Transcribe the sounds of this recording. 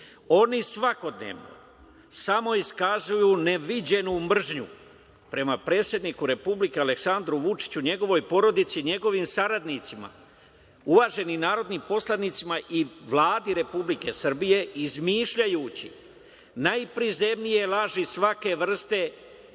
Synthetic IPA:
o̞nisʋako̞d̪nḛʋno̰ | samo̞iskazujuːneʋid͡ʑe̞numr̩ʒɲṵ | pɾe̞mapɾe̞ːt̪sje̞d̪nikuɾe̞publike̞ale̞ksand̪ɾuʋut͡ʃi̥t͡ɕuɲe̞ɡo̞ʋo̞jpo̞ɾo̞d̪it̪siɲe̞ɡo̞ʋiːmsaɾad̪nit̪sima̰ | uʋaʒe̞ninaːɾo̞d̪niːmpo̞slad̪nit̪simaʔiʋlˠaːd̪iɾe̞publike̞srbije̞izmiːʃʎajuːt͡ɕḭ | najpɾize̞mnije̞lˠaʒisʋake̞ʋr̩st̪e̞

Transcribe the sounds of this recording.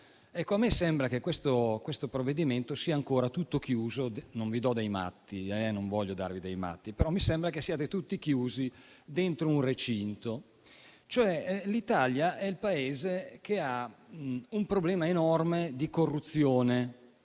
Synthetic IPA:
ɛkːoamːesɛmbɾakekwest̪okwest̪opɾovːed̪iment̪osiːaːŋkoːɾat̪ut̪ːok̟juːzonoɱvid̪ɔd̪ejma̰t̪ːiɛnõɱvɔʎːod̪a̰rvid̪ejma̰t̪ːipeɾɔmːisɛmbɾakesːijaːt̪et̪ut̪ːik̟juːzid̪ent̪ɾounret͡ʃint̪o | t͡ʃoɛlit̪aljaʔɛilpaeːzekea | umpɾoblɛːmaenɔrmed̪ikorːut̪sːjoːne

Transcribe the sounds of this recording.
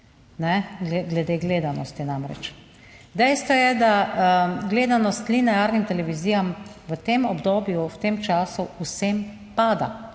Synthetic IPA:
nɛɡlɛɡlɛd̪eːɡleːd̪anɔst̪inamɾɛ̰t͡ʃ | d̪ɛjst̪ʋɔjɛd̪a | ɡleːd̪anɔst̪linajaːɾnimt̪ɛlɛʋiziːjamʋət̪emɔbd̪oːbjuwt̪emt͡ʃaːsuusem | paːd̪a̰

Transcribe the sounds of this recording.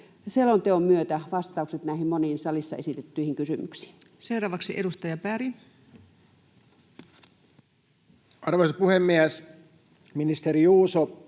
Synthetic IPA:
selont̪eommyøt̪æʋɑst̪ˑɑˑukset̪næˑihimmoniːnsɑlisːɑ̰esit̪et̪ːyihiŋkysymyksi̥ːn | seuɾɑːʋɑksiʔeɾust̪ɑjɑpæɾi | ɑrʋoisɑpuhemːiæs | minist̪eɾiuːso

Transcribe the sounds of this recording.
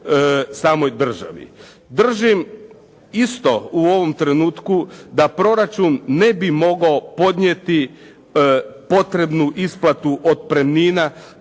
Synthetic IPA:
saːmo̞jd̪r̩ʒa̰ʋḭ | d̪r̩ʒim | ist̪o̞uo̞ʋo̞mt̪ɾe̞nuːt̪kud̪apɾo̞ɾat͡ʃunːe̞bimo̞ɡaopo̞d̪ɲjet̪i | po̞t̪ɾe̞bnuʔisplˠat̪uʔod̪̚pɾemniːna

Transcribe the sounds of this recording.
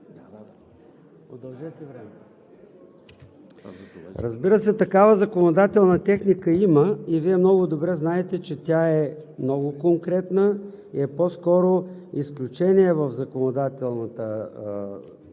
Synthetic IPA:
od̪ɐlˠʒɛt̪ɛvɾɛmɛ | ɾə̰zbiɾəsɛt̪ɐkavəzɐkonod̪at̪ɛlˠnət̪ɛxnikəiməiviɛmnɔɡʊd̪obɾɛznaɛt̪ɛt͡ʃɛt̪ʲjaɛ | mnɔɡʊkoŋkɾɛt̪nə | ḭɛposkɔɾoisklʲʊt͡ʃɛniɛvəvzɐkonod̪at̪ɛlˠnət̪ə

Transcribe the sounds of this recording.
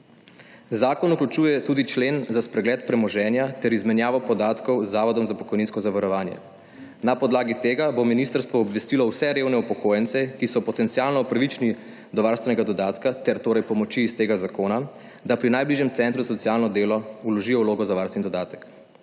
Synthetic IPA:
zaːkɔnuklut͡ʃuːjɛt̪uːd̪it͡ʃleːnzaspɾɛɡlɛːt̪̚pɾɛmɔʒɛnjat̪ɛɾizmɛnjaːʋɔpɔd̪aːt̪kɔwzːaːʋɔd̪ɔmzapɔ̥kɔjninskɔzaʋaɾɔʋaːnjɛ̰ | napɔd̪laːɡit̪eːɡabominist̪əɾst̪ʋɔːbʋɛst̪ilɔwsɛɾeːwnɛupɔkʰoːjɛnt̪sɛkisɔpɔt̪ɛnt̪siaːlnɔpɾaʋit͡ʃni | d̪ɔʋaːɾst̪ʋɛnɛɡad̪ɔd̪aːt̪kat̪ɛɾt̪oːɾɛjpɔmɔt͡ʃiːst̪eːɡazakoːna | d̪apɾinajbliːʒjɛmt̪sɛnt̪ɾuzasɔtsijaːlnɔd̪eːlɔulɔʒijɔwloːɡɔzaʋaɾst̪ʋɛnd̪ɔd̪aːt̪ə̥k

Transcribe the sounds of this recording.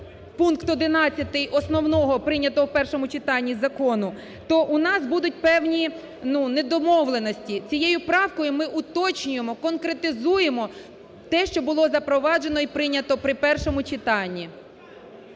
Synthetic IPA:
punkt̪ɔd̪ɪnɑt͡sʲːɐt̪ɪjʔɔsnɔwnɔɦɔpɾɪnʲɐt̪ɔwpɛrʃɔmʊt͡ʃɪt̪ɑnʲːizɐkɔnʊ | t̪ɔʔʊnɑsbud̪ʊt̚ʲpɛwnʲi | nuned̪ɔmɔwlˠe̞nɔsʲtʲit͡sʲijejʊpɾɑwkɔjʊmɪʔʊt̪ɔt͡ʃnʲʊjemɔkɔnkɾet̪ɪzuje̞mɔ | t̪ɛʃt͡ʃɔbʊlˠɔzɐpɾɔʋɑʒe̞nɔipɾɪnʲːɐt̪ɔpɾɪpɛrʃɔmʊt͡ʃɪt̪ɑnʲːi

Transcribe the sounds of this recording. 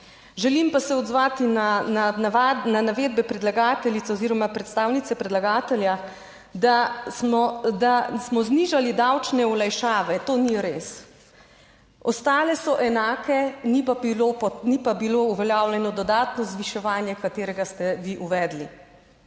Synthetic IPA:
ʒɛlimpasɛɔd̪zʋaːt̪inanaaananaʋeːd̪̚bɛpɾɛd̪laɡaːt̪ɛlit̪soziːɾɔmapɾɛt̪st̪aːwnit̪sɛpɾɛd̪laɡaːt̪ɛlja | d̪asmɔd̪asmɔzniʒalid̪awt͡ʃnɛulajʃaːʋɛt̪oːniɾeːs | ɔst̪aːlɛsɔʔɛnaːkʰɛnipalopɔnipabilouʋɛljaːwljɛnɔd̪ɔd̪aːt̪nɔzʋiʃɛʋaːnjɛkat̪eːɾɛɡast̪ɛʋiʔuʋɛːd̪lḭ

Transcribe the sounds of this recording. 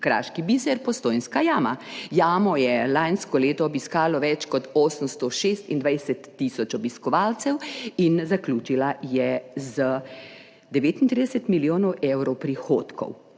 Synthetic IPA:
kɾa̰ːʃkibizɛɾpɔst̪oːjnskajaːma̰jaːmɔjɛlanskɔleːt̪ɔːbiskaːlɔʋɛt͡ʃkɔt̪oːsəmst̪ɔʃeːst̪ind̪ʋajsɛt̪ːisɔt͡ʃɔbiskɔʋaːlt̪sɛwinzaklʲuːt͡ʃilajɛzə | d̪ɛʋeːt̪int̪ɾid̪ɛsɛt̪miljoːnɔwʔewɾɔwpɾixoːt̪kɔ̰w

